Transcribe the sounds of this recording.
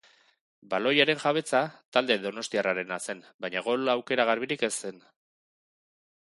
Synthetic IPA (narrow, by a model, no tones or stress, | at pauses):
balo̞jaɾe̞nʝaβ̞e̞t͡sat̪ald̪e̞ðo̞no̞st̪iaraɾe̞nase̞n | bajɲaɣo̞lawke̞ɾaɣarβiɾike̞se̞n